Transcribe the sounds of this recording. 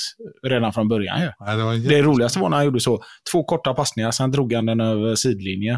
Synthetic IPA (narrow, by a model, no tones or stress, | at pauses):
ɾeːd̪anfɾɔnbœɾja̰njɵdɛd̪ɛɾuːlɪɡast̪əvaɾɳæɾhanjuːɖːəsɔt̪ʰv̥oːkʰɔʈːapʰasnɪŋaɾsɛnd̪ɾuːɡhand̪ɛnøːvəʂiːd̪lɪnjə